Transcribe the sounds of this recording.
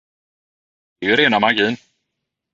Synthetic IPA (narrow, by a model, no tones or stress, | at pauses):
d̪̥ɛɛɾeːnamaɾɡiːn